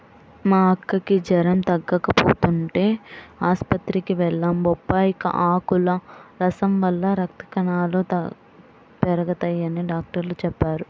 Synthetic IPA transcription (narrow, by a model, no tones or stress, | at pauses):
maːɐkːɐkid͡ʒɐɾɐmt̪ɐɡːɐkɐpo̰ːt̪uɳʈe̞ːaːspɐt̪ɾikiʋɛɭːɐmbɔpːaːjikɐ̰ʔaːkulɐɾɐsɐmʋɐlːɐɾɐk̚t̪ɐ̥kɐnaːlot̪ | pɛɾɐɡɐt̪ɐjɐniɖaːk̚ʈɐɾlut͡ʃɛpːaːɾu